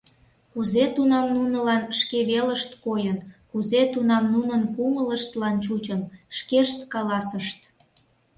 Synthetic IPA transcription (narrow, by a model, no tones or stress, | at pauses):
kuzet̪unɑmnunəlɑnʃkeβeləʃt̪kojənkuzet̪unɑmnunənpumələʃt̪lɑnt͡ɕut͡ɕənʃkeʃt̪kɑlɑsəʃt̪